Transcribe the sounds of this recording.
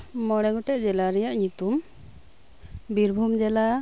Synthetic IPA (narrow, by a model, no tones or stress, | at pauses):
mɔɽ̃ɛɡɔʈɛʔd͡ʒɛlaɾɛjaʔɲut̪um | biɾbʱumd͡ʒɛla